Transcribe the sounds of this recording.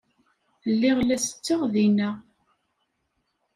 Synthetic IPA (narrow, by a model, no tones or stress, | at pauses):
lːiʁlæsə̥t͡sːəʁðinæ